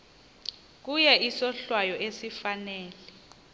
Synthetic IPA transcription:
k̬ujɛisɔɬwajɔʔesifanɛːlɛ

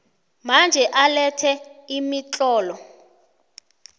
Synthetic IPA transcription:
mand͡ʒʱɛʔalɛtʰɛimit͡ɬʼɔːlɔ

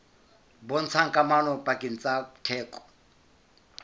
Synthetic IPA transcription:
bɔn̩t͡sʰaŋ̩kʼamanɔpʼakʼin̩t͡sʼabtʰɛːkʼɔ̥

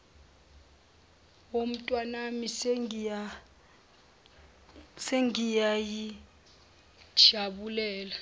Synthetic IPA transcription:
om̩tʼwanamis | seŋijaji | ʒ̥ʰʱaɓulɛːla

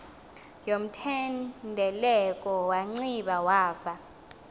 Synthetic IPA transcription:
jom̩tʰɛndʱɛlɛkʼɔwaŋ͡ǀiɓawaːva

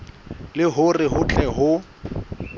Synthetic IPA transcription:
lɪɦʊrɪɦʊt͡ɬʰʼɛɦʊ

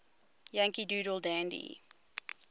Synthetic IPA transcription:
jãŋkiduːɾəlˠdæ̃ndḭ

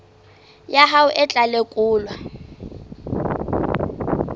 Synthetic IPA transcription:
jaɦaʊʔɪt͡ɬʼalekʼʊːlwa

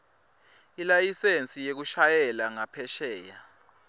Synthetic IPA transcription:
ilajisent͡sʼijek̬uʃajɛlaŋapʰɛʃɛːja

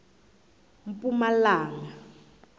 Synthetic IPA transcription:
m̩pʼumalaːŋa

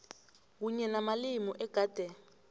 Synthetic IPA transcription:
k̬uɲɛnamalimɔʔɛɡ̥ʱaːd̥ʱɛ

